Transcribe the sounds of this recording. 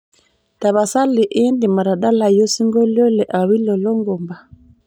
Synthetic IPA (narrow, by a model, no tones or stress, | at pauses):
taβasalːiʔendimaɾaɗalajosiŋɡɔlɔlɛʔawilɔlɔŋɡɔmba